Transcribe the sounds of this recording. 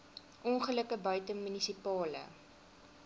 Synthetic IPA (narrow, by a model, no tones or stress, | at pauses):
ʔɔnχələkəbœɥtəŋmynisipɑːlə̰